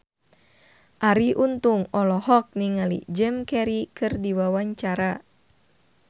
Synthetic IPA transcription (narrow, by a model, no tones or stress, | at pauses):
ʔaɾiʔunt̪uŋɔlɔhɔk̚niŋalḭd͡ʒɛmkɛɾikɨrdiwawaɲt͡ʃaɾa